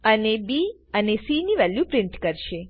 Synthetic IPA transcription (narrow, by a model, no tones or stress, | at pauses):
ənebi | ənesiniʋɛljupɾɪɳʈkəɾʃe